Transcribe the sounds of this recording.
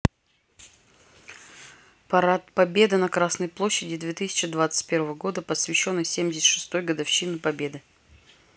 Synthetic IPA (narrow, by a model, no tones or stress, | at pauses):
pɐɾat̪̚pɐbʲe̞d̪ɨnɐkɾasnəjplˠoɕːɪdʲɪd̪vʲe̞t̪ɨsʲɪ̥t͡ɕɪd̪vat̪sɨ̥t̚ʲpʲe̞ɾvəvəɡo̞d̪əpəsvʲɪɕːo̞nːəjsʲemʲdʲɪsʲɪ̥t̪ʂɨ̥st̪o̞jɡəd̪ɐfɕːinɨpɐbʲe̞d̪ɨ